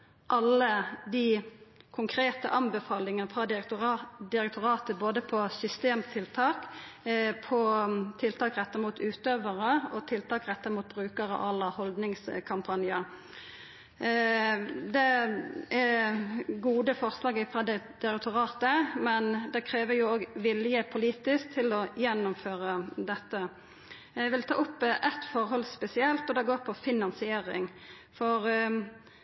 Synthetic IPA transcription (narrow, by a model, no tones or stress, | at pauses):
ʔɑlːəd̪ɪkʰʊŋkʰɾeːt̪ə̰ʔɑmbɛfɑːlɪŋəfɾɑd̪ | d̪ɪɾɛk̚t̪ʊɾɑːt̪əboːd̪əpʰɔsʏst̪eːmt̪ʰɪlt̪ʰɑːk | pʰɔt̪ʰɪlt̪ʰɑːkɾɛt̪ːɑʁmuːt̪ʉːt̪øːʋəʁəɔt̪ʰɪlt̪ʰɑːkɾɛt̪ːəʁmuːt̪̚bɾʉːkəɾə̰ʔɑlːɑhɔld̪nɪŋskʰɑmpʰɑnjə | d̪ɛ | æ | ɡuːd̪əfɔʁslɑːɡəfʁɑd̪ɛd̪̥ɛɾɛt̪ʰʊʁɑːt̪əmɛnd̪ɛkʰɾeːʋəɾjʊoːɡʋɪljəpʰʊliːt̪ɪsk̚t̪ʰɪlɔjɛnːʊmføːʁəd̪ɛt̪ːə | jæʋɪlt̪ʰɑ̰ːʊpːʔɛt̪fɔʁhɔlspɛsɪɛlt̪ɔd̪ɛɡoːɾpʰɔfɪnɑnsɪeːɾɪ̰ŋ | fɔɾ